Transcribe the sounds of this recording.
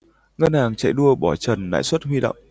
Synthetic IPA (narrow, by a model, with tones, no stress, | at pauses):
ŋə˧nhaː˨˩ŋt͡ɕa̰˧˨jɗu˧əɓɔ˧˩t͡ɕə˨˩nːa̰ː˧˥˨jswə˦˥t̚ɦwi˧ɗə̰˧˨wŋ͡m